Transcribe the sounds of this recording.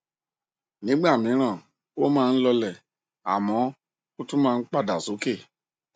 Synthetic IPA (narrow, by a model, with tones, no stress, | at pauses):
nĩ˨˦ɡ͡ba˦˨mĩ˨˦ɾ̃ã˦˨ | o˦mãː˦˧n̩˦lɔ˧lɛ˦˨ | a̰˨mɔ̃˨˦ | o˦tũ˦mãː˦˧˦k͡pa˦˨da˨so˨˦ke˦˨